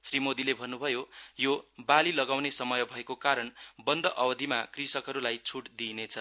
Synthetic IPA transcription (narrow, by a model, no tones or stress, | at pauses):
srimod̪ilebʱʌnːubʱʌjojobalilʌɡawnesʌmʌjʌbʱʌekokaɾʌnbʌnd̪ʱʌʔʌbʌd̪ʱimakrisʌkɦʌɾulajt͡sʰuʈd̪inet͡sʰʌ